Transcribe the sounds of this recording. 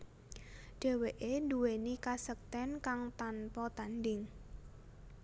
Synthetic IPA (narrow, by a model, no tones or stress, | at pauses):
ɖ̥ɛ̤weʔenduwenikasək̚t̪ɛnkaŋt̪anpɔt̪andɪŋ